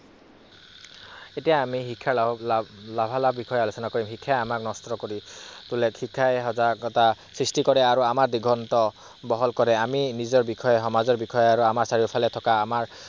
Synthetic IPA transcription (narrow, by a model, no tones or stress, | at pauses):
etijaːmiɦikʰːa | labʱalabikʰɔjɛalosɔnakoɹimɦikʰːajamaknɔstɔkoɹitulɛkhikʰːajɦɔzakɔtasɹistikɔɹɛaɹuamaɹdiɡʱɔntɔ | bɔɦɔlkɔɹɛaminizɔɹbikʰɔjɛɦɔmazɔɹbikʰɔjɔaɹuamaɹsaɹiɔpʰalɛtʰɔkaːmaɹ